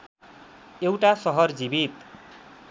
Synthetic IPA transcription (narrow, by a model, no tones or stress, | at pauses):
ewʈasʌɦʌrd͡zibit̪̚